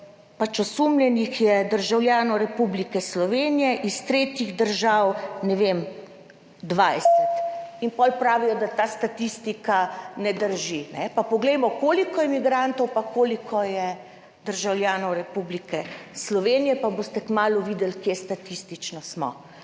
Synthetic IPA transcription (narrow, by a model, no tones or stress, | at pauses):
pat͡ʃɔsumljɛnixjɛd̪əɾʒawljaːnɔwɾɛpublikɛslɔʋeːnijɛʔist̪ɾeːt̪jiɣd̪əɾʒawnɛʋem | d̪ʋajsɛt̪inpɔlpɾaːʋijɔd̪at̪aːst̪at̪ist̪ikanɛd̪əɾʒinɛpapɔɡlɛjmɔkoːlikɔjɛmiɡɾant̪ɔwpakoːlikʰɔjɛ | d̪̥əɾʒawljaːnɔwɾɛpublikɛslɔʋeːnijɛpabost̪ɛkmaːluʋid̪ɛlkjest̪at̪ist̪it͡ʃnɔsmɔ̰